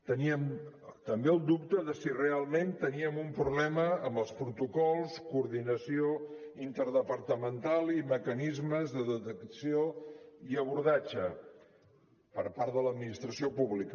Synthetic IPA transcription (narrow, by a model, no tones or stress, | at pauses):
t̪əniəmt̪əmbeəlˠd̪up̚t̪əðəsirealˠment̪əniəmumpɾuβlɛməːmbəlˠspɾut̪ukɔlˠskuːɾðinəsio | int̪əɾðəpəɾt̪əmənt̪alˠiməkənizməzðəðət̪əksioiəβuɾðad͡ʒə | pəɾpaɾt̪ðələd̪minist̪ɾəsiopuβlikə